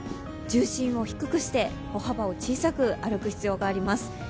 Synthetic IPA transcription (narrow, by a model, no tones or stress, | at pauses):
d͡ʑɨːɕĩɰ̃o̞çi̥kɯ̟kɯ̟ɕi̥t̪e̞ | o̞habao̞t͡ɕiːsakɯ̟aɾɯ̟kɯ̟çi̥t͡sɨjo̞ːɡaːɾʲimasɨ̥